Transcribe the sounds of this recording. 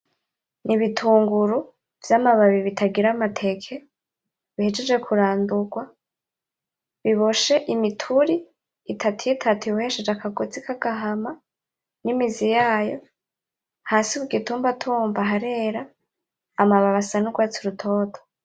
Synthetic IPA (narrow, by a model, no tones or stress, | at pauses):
nʔiβitʰuːŋɡuɾu | v̥jamaβaβiβitʰaɡiɾamatʰe̞kʰe | βihed͡ʒe̞d͡ʒe̞kʰuɾaːnduɡwa | βiβo̞ʃe̞ʔimitʰuɾiː | tʰatujitʰatʰuuhe̞ʃe̞d͡ʒakʰaɡot͡sikʰaɡaɦama | nimizijaːjo̞̰ | haːsiβuɡituːmbatʰuːmbaɦaɾe̞ːɾaː | maβaβasanuɡwaːt͡siɾutʰo̞ːtʰo̥